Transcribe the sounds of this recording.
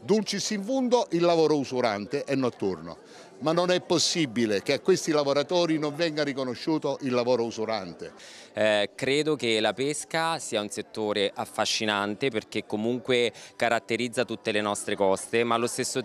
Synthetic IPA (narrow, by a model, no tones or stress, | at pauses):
d̪ult͡ʃisiɱfund̪oʔilːavɔːɾousuɾant̪eʔɛnːoat̪ːorno̰ | manːonɛpːosːibːilekeakːwest̪ilavoɾat̪ɔːɾinoɱvɛŋɡaɾikonoʃːuːt̪oʔilːavɔːɾousuɾant̪e | kɾeːd̪okelapeskasiːaunset̪ːoːɾeʔafːaʃːinant̪eperk̟ekːomuŋkwekaɾat̪ːeɾid̪zːat̪ut̪ːelenɔst̪ɾekɔst̪emaːlːost̪esːo